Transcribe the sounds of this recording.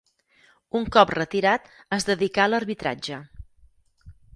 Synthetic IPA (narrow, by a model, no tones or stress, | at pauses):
uŋkɔprət̪iɾat̪ | əzðəðikaələɾβit̪ɾa̰d͡ʒə